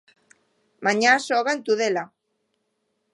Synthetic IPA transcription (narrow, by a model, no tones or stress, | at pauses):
maɲasoɣant̪uðela